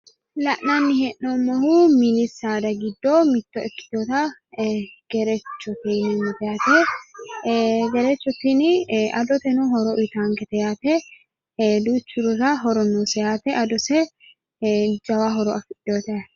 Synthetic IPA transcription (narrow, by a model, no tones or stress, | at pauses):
lɐʔnɐnːɪhɛʔːomːɔhumɪlɪsaːd̪ɐɡɪd̪ːoːmɪt̪ːɔʔɛkːɪ̥t̪oːt̪ɐ | ɡ̥ɛɾɛt͡ʃːɔt̪inɛnɐt̪ɛjaːt̪ɛ | ɡɛɾɛt͡ʃːɔt̪ːinɪʔɐd̪ɔt̪ɛnʊɦɔɾɔʔɪt̪aːŋkɛt̪ɛjaːt̪ɛ | hːd̪uːt͡ʃːʊɾɔɾɐɦɔɾɔnːuːsɛjaːt̪ɛʔɐd̪ɔsɛ | d͡ʒɐwaɦɔɾɔʔɐfɪᶑoːt̪ɛa